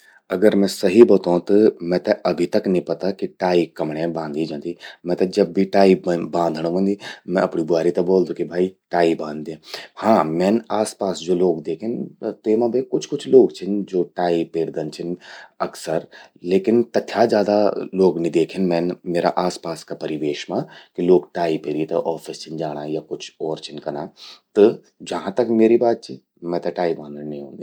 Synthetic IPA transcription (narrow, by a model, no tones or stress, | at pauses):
ɐɡəɾmɛ̃sɐɦibɔːt̪oɦt̪ɐmɛ̃t̪ɛʔɐbʱit̪ɐknəĩpɐt̪akiʈaːikɐmɽ̃ẽbãːnd̪ʱid͡ʒãːd̪imɛ̃t̪ɐd͡ʒɐb̚ːʱiʈaːibãːnd̪ʱñõʋə̃nd̪imɛ̃ɐpɳibʊaːɾit̪ɐboːld̪ũkibʱaːiʈaːibãːnd̪d̪ẽːhãːmɛ̃ːnaːspaːsd͡ʒoːloːɡd̪eːkʰɪnt̪eːmãbʱekʊt͡ʃʰkʊt͡ʃʰloːɡt͡ʃʰɪnd͡ʒoːʈaːipeːɾd̪ənt͡ʃʰɪnɐksəɾ | leːkɪnt̪ɐt̪ʰːjazjaːd̪aloːɡnĩd̪eːkʰenmɛ̃ːnmeːɾa̰ʔaːspaːskapɐɾɪʋeːʃmãkiloːɡʈaːipeːɾiet̪ɐʔɔːfɪst͡ʃʰɪnd͡ʒaːɽ̃ajakʊt͡ʃʰɔːɾt͡ʃʰɪnkɐnat̪ɔ | d͡ʒɐɦãt̪ɐkmeːɾibaːt̪̚t͡ʃʰi | mɛ̃t̪ɐʈaːibãːnd̪nɐɦĩɦõːɡi